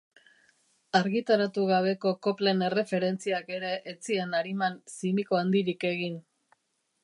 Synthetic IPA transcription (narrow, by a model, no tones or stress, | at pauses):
aɾɣit̪aɾat̪uɣaβ̞e̞ko̞ko̞ple̞ne̞re̞fe̞ɾe̞nt͡siake̞ɾe̞ʔːt͡sienaɾimansimiko̞and̪iɾike̞ɣin